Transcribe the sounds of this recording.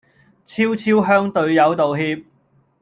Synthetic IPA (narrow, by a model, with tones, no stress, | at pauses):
t͡sʰiː˥wt͡sʰiː˥wɦœː˥ŋt̪ɵ˧ɥjɐ˨˧wt̪o˨wɦiː˧p̚